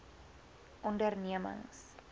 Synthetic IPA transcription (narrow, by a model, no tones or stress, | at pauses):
ʔɔndərniəmə̰ŋs